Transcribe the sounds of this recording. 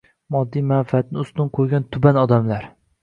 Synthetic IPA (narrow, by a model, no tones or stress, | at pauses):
mɒd̪ːijmanfɪat̪̚nɪʊst̪ʊnqʰojɡʲant̪ʰʊbanɒd̪amlaɾ